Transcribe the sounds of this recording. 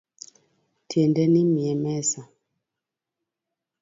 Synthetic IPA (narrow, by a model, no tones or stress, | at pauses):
tjɛndɛnimiɛmɛsa